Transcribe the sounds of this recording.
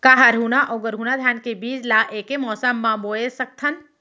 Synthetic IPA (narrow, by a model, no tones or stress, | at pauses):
kaɦaɾɦunaʔɔːɡəɾɦuːnad̪ʱjaːnkebiːd͡ʒlaːʔeːkemɔːsəmːãboːesɐk̚t̪ʰən